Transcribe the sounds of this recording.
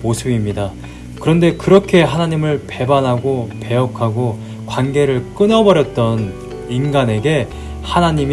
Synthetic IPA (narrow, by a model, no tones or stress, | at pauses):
mosʰɯbimɲida | kɯɾʌnde̞kɯɾʌkʰe̞ɦanaɲimɯɭpe̞banɦaɡope̞ʌkʰaɡo | kwanɡe̞ɾɯɭk͈ɯnʌbʌɾjʌt̚t͈ʌn | inɡane̞ɡe̞ | hanaɲim